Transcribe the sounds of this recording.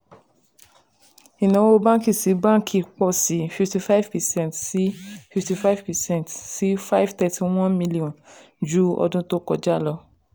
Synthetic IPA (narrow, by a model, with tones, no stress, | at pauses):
i˨nã˨˦o˧bã˦ki˦˨si˨˦bã˦kʰi˨k͡pɔ˦˨si˨˦fi˨fti˧fa˦vpɛ˨sɛ̃˦˨ntsi˦fi˨fti˧fa˦jvpɛ˨sɛ̃˦˨ntsi˨˦fa˦jvtɛ˧tʰi˧w̃ɔ̃˦nmĩ˧li˦ɔ̃˨n | d͡ʒu˦ɔ̰˧dũ˧to˦kɔ˦˨d͡ʒa˦˨lɔ˧